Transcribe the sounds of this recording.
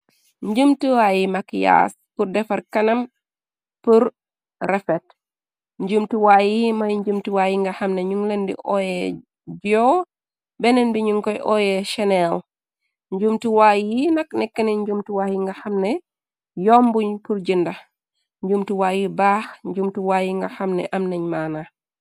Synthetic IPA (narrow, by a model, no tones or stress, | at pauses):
ɲd͡ʒumtiwaːjimakja̰s | purdɛfɐɾkɐnɐm | puɾ | rɛfɛt | ɲɟumtuwajimɐjɲd͡ʒumtiwajiŋɡɐhɐmnɛɲuŋlendḭʔɔjɛ | d͡ʒɔː | bɛnɛnbiɲuŋkɔjʔɔːjɛʃɛnɛl | ɲɟumtiwaːjinɐknɛkːɐnɛɲɟumtiwaːhjiŋɡɐxɐmnɛ | jɔːmbuɲpuɾɟindɐ | ɲd͡ʒumtiwaːjibaːxɲɟumtiwaːjiŋɡɐxɐmnɛ̰ʔɐmnɐɲmaːna